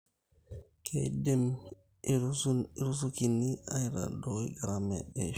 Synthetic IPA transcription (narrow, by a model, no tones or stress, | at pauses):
kʰɛdɛm | ɾɾus̬ukinːiajɾa̰dɔɡɾamɛɗɛ